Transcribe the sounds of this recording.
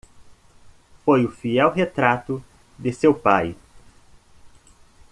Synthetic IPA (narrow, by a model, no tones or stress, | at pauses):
fojʊfiɛwɦet̪ɾat̪ʊ | d̪ɪsewpaj